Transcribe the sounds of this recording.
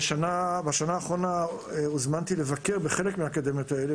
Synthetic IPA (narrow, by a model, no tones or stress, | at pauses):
ʃanabaʃanaːχʁo̞na | uzmant̪ilevake̞ʁbeχe̞lekmehakad̪emot̪aele